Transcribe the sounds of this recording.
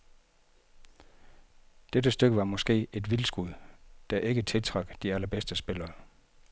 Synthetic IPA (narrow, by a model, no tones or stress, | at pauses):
d̥ed̥əsd̥øɡ̥əʋɑ̈mɒ̽sɡ̥e̝̰ːe̝d̥ʋilsɡ̥uðˠd̥æʔe̝ɡ̥ət͡sʰe̝lt͡sʰʁɑ̈ɡ̥d̥iælɐb̥esd̥əsb̥e̝lɐː